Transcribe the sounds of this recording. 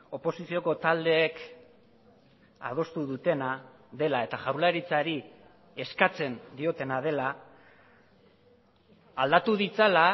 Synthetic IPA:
o̞po̞sisio̞ko̞t̪ald̪e̞ːk | a̰ð̞o̞st̪uðut̪e̞na | ðe̞lae̞t̪aʝawlaɾit͡saɾi | e̞skat͡se̞nd̪io̞t̪e̞nað̞e̞la | ld̪at̪uðit͡sala

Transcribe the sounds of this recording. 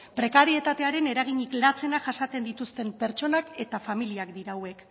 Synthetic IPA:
pɾe̞kaɾie̞t̪at̪e̞aɾe̞ne̞ɾaɣ̞iɲiklat͡se̞naʝasat͡se̞nd̪it̪ust̪e̞mpe̞ɾt͡ʃo̞nake̞t̪afamiliakd̪iɾawe̞k

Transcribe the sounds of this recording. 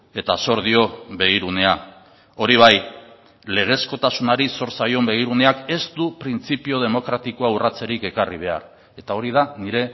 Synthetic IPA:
e̞t̪aso̞ɾðio̞βe̞ɣiɾune̞a | o̞ɾiβ̞aj | le̞ɣ̞e̞sko̞t̪asunaɾiso̞ɾsajo̞mbe̞ɣ̞iɾune̞ake̞st̪upɾint͡sipio̞ð̞e̞mo̞kɾat̪iko̞aurat͡se̞ɾike̞kariβ̞e̞a̰ɾ | e̞t̪ao̞ɾið̞aniɾe̞

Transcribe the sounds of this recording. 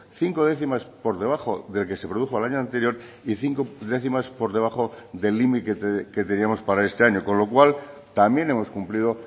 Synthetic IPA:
θiŋko̞ð̞e̞θimaspo̞ɾðe̞β̞aχo̞ðe̞lke̞se̞pɾo̞ð̞uxoalaɲoant̪e̞ɾjo̞ɾ | iθiŋkoðe̞θimaspo̞ɾðe̞β̞aχo̞ðe̞lːimikeke̞t̪e̞niamo̞spaɾae̞st̪e̞aɲo̞ko̞nlo̞kwal | t̪amje̞ne̞mo̞skumpliðo̞

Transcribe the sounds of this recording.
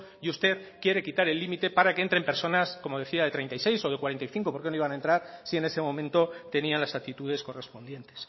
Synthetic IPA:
just̪e̞ðkje̞ɾe̞kit̪aɾe̞lːimit̪e̞paɾakeent̪ɾe̞mpe̞ɾso̞nasko̞mo̞ð̞e̞θiaðe̞t̪ɾent̪ajse̞jso̞ðe̞kwaɾe̞nt̪ajθiŋko̞po̞ɾkenoiβanaent̪ɾaɾsie̞ne̞se̞mõ̞mẽ̞nt̪o̞t̪e̞nianlasakt̪it̪uðe̞sko̞re̞spo̞nd̪je̞nt̪e̞̥s

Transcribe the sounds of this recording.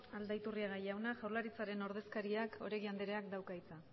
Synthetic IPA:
ald̪ajt̪uriaɣajawnaʝawɾlaɾit͡saɾe̞no̞ɾð̞e̞skaɾiako̞ɾeɣiand̪eɾe̞ak̚d̪awkajt͡sa

